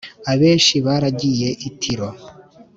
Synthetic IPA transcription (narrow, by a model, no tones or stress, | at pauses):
aβe̞ːnʃiβaːɾaɟije̞ʔitʰiɾo̞